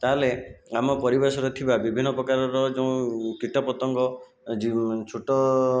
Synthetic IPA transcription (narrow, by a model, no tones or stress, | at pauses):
t̪aɦleamɔpɔɾibesɔɾet̪ʰibabibʱinːɔpɾɔkaɾɔɾɔd͡ʒeũkiʈɔpɔt̪ɔŋɡɔ | d͡ʒit͡ʃʰuʈɔ